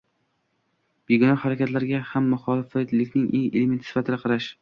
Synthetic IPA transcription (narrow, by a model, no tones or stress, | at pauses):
b̥eɡʲɪnɒhaɾakʲat̪laɾɡʲahamːʊχɒlɪfat̪lɪkʲnɪŋʔeŋḛlement̪ʰɪsɪ̥fat̪ʰɪd̪aqʰɑɾaʃ